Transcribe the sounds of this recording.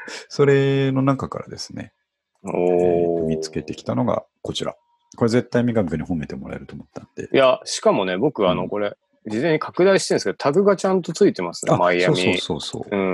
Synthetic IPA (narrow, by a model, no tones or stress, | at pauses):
so̞ɾe̞no̞nãŋkaka̰ɾad̪e̞sɨ̥ne̞̰ | oɯmʲit͡sɨ̥ke̞t̪e̞kʲi̥t̪ano̞ɡa̰ | ko̞t͡ɕiɾa̰ | ko̞ɾe̞ze̞t̪ːaimʲiɡaɡɯkɯɲ̟ihõ̞me̞t̪e̞mo̞ɾa̰eɾɯ̟t̪oːmot̪ːãnd̪e̞̰jaɕi̥kamo̞ne̞bo̞kɯ̟βano̞ko̞ɾe̞ | d͡ʑizẽ̞ɲːikʰakɯ̟d̪aiɕi̥t̪ẽnsked̪ot̪ʰaɡɯ̟ɡat͡ɕãnt̪o̞t͡sɨit̪e̞masɨ̥neamaijaoːmʲsioːso̞̰ːso̞̰ːɯ̟̃